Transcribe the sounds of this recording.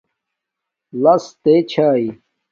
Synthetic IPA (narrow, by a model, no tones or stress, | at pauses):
lɐst̪et͡ɕʰaːi